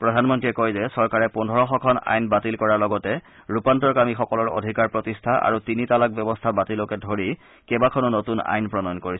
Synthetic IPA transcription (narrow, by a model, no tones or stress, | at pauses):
pɹɔdʱanmɔntɹiɛkɔjzɛsɔɹkaɹɛpundʱɔɹɔxɔkʰɔna̰jnbatilkɔɹaɹlɔɡɔtɛ | ɹupantɔɹkamixɔkɔlɔɹo̰dʱikaɹpɹɔtistʰaʔa̰ɹutinitalak̚bɛbɔstʰabatilɔkɛdʱoɹi | kɛbakʰɔnʊnotuna̰jnpɹɔnɔjnkoɹis